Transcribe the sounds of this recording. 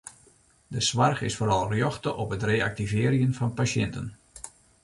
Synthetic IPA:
dəsʋarxɪsfoːɾɑlˠrjɔxtəʔɔpətreːak̚tivɪəɾjənfɑnpasɛntə̰n

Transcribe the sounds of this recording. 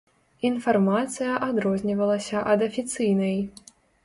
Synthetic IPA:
infarmat̪sɨjɐʔad̪ɾɔzʲnʲivɐlˠɐsʲɐʔɐd̪ɐfʲit̪sɨjnɐj

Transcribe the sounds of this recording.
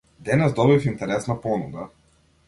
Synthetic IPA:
d̪ɛnɛzd̪ɔbifint̪ɛɾɛsnapɔnuɡa

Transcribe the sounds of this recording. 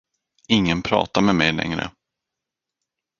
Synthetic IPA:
ɪŋːənpʰɾɑ̰ːt̪amɛmɛjlɛ̰ŋɾə̰

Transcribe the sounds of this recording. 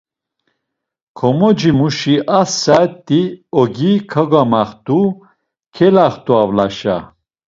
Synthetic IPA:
kʰɔmɔd͡ʒimuʃiʔasat̪ʼːiɔɡikʰaɡamaχt̪ʼu | kʰɛlaχt̪ʼuavlaʃa̰

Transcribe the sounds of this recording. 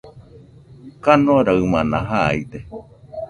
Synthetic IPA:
kanoɾaɯmanaɦaid̪e

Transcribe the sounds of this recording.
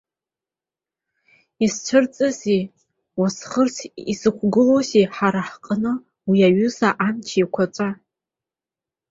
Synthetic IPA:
ist͡ʃʷʰɨrt͡sʼɨzi | wasχərt͡sʰisɨkʷʰɡɨloziħaɾaħqʼənɨ | wiaɥʊzaʔant͡ʃʰijkʷʰat͡ʃʷʼa

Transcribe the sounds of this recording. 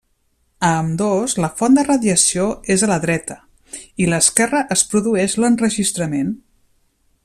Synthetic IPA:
əmd̪ozləfɔnd̪ərəðjəsioezələðɾɛt̪ə | iləskɛrəʔəspɾuðuɛʃlənrəʒist̪ɾəmen

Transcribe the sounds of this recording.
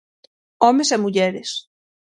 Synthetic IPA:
ɔmesemuʎɛɾes

